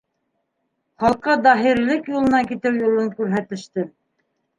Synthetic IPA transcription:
χɑlˠqɤd̪ɑɦiɾlɘkjulˠɤ̆nɑkit̪ɘwjŏlˠɤŋkʉɾɦæt̪ɘ̆ʃt̪ɘ

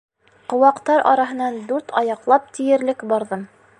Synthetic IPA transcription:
qŏwɑqt̪ɑɾʔɑ̰ɾɑɦɤ̆nɑnd̪ʉɾt̪ʰɑjɑqlˠɑp̚t̪ʰijɘ̆ɾlɘkbɑɾðɤm

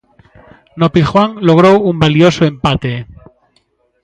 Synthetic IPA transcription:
nopixwaŋloɣ̞ɾoumbaljosoẽ̞mpat̪e

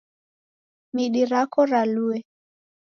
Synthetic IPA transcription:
miɗiɾakɔɾaluɛ

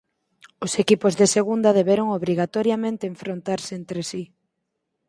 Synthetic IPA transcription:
ʊsekipʊzðeseɣ̞und̪aðeβeɾoŋoβɾiɣat̪ɔɾjamẽnt̪eːɱfɾont̪aɾseent̪ɾesi

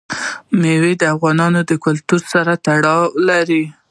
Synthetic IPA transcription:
mewed̪əafɣɑnɑnod̪əkʊlt̪uɾsaɾat̪aɽɑlaɾi

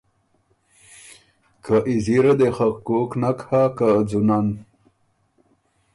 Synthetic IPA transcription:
kaʔiziɾad̪exaqkoknakhakad͡zunan

